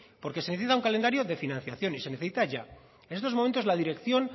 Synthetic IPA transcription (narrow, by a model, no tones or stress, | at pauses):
po̞ɾke̞seneθesit̪auŋkalend̪aɾjo̞ðe̞finãnθjaθjo̞nise̞neθesit̪aʝa | enest̪o̞momẽnt̪ozlaðiɾe̞kθjo̞n